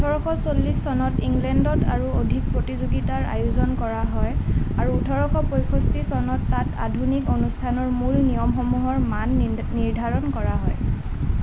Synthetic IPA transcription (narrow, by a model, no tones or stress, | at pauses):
utʰɔɹɔxʰɔsolːisːɔnɔtiŋɡlɛndɔtʰaɹuodʱik̚pɹotizoɡitaɹa̰juzɔnkɔɹaɦɔjaɹuːtʰɔɹɔxʰɔpojkʰostisɔnɔtːata̰dʱunikonustʰanɔɹmulnijɔmxɔmuɦɔɹmanː | iɹdʱaɹɔnkɔɹaɦɔj